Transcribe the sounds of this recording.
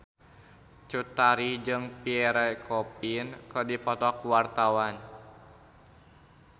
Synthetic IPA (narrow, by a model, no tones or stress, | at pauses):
t͡ʃut̪aɾid͡ʒɨŋpiɛɾɛkʰɔpinkərdipɔt̪ɔkuwart̪awan